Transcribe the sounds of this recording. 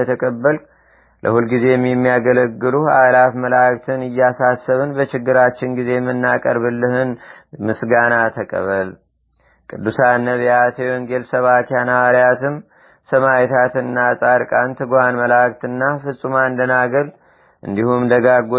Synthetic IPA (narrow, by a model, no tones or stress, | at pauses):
ət̪ʰəkʼəbːəl | lʔə̰hulɡize̞jɛmːjɛmːijaɡələɡːɨluha̰lafməlak̚ʼt̪ʰɨnɨjːasasːəβɨnbət͡ʃɪɡːɨɾat͡ʃːɪnɡize̞mːɨnːakʼəɾβɨlːɨhɨnmɨsɡanat̪ʰəkʼə̰βəl | kʼɨd̪ːusanːəβiat̪ʰewɔŋɡe̞lsəβakʰanawaɾjat̪ɨm | səmajɛt̪ʰat̪ɨnnːasʼaɾkʼant̪ʰɨɡuhanməlakt̪ɨnːafɨsʼumand̪ənaɡəl | ʔɨ̰nd̪ihumd̪əɡaɡo